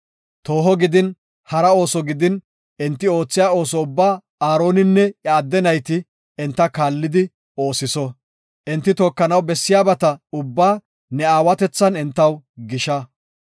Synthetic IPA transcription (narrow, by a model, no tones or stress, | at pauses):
t̪o̞ːɦɔɡɪd̪ɪn | hɐɾɐo̞ːsɔɡɪd̪ɪn | ɛnt̪ːɪo̞ːt͡sːɪjaːo̞ːsɔʊbːaː | aːɾo̞ːnɪnːɛaːd̪ːɛnɐjt̪ɪ | ɛnt̪ːɐkaːlːɪd̪ɪ | o̞ːsɪsɔ | ʔɛnt̪ːɪt̪oːkːɐnɐwbɛsːɪjaːbɐt̪ɐʊbːaː | nɛaːwɐt̪ɛt͡sːɐnɛnt̪ːɐwɡɪʃɐ